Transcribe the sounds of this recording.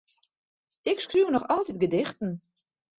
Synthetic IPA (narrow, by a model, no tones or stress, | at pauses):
ɪkskruːnɔxɔlˠtit̚ɡədɪxtn̩